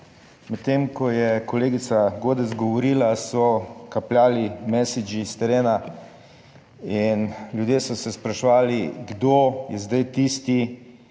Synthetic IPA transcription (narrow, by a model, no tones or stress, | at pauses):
mɛt̪ːemkɔjɛkɔleːɡit̪saɡoːd̪ɛzɡɔʋɔɾiːlasɔkapljaːlimɛsid͡ʒist̪ɛɾeːna | inljud̪jeːsɔsɛspɾaʃʋaːliɡd̪oːjɛzd̪ajt̪iːst̪i